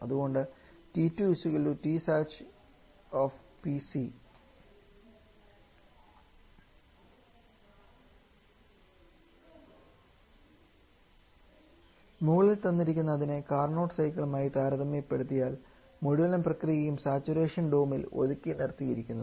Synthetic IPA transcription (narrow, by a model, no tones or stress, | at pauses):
ɐðuɣo̞ɳɖɨ | titːuisuɣilutisaːt͡ɕ | oːfpisi | muːɐɭilt̪ɐnːiɾikʲːunːɐðinekaːrɳo̞ːʈsɐjkːɐɭumaːjit̪aːɾɐðɐmepːe̞ɽut̪ːijaːl | moɽuʋɐlɐmprɐkrijɐjumsaːt͡ɕːuɾe̞ːʂɐnɖoːmilo̰ðukʲːinirt̪ːijiɾikʲːunːɐðɨ